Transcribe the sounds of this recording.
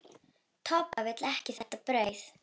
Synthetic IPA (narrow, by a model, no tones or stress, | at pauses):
t̪ʰɔːpavɛt̪lɛhcɪθɛht̪apɾœːɥθ